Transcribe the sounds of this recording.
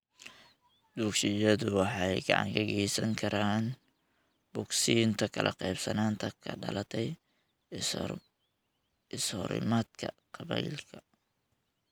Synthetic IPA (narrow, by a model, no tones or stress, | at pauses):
d̪̥uːkʃɪjɐðʊwɑħɑjɡɑ̰ʕɑ̰ŋkʰɐɣɛjsɐŋkʰɐɾaːn | b̥ʊɡsiːnt̪ʰɐkʰɐlʔɐ̰qɛjbsɐnaːnt̪ʰɐkʰɐɖɐ̰lɐt̪ʰɛj | ɪshɔ̰ɾɪ̰maːd̪kʰɐ̰qɑβɛ̰jlkʰɐ̥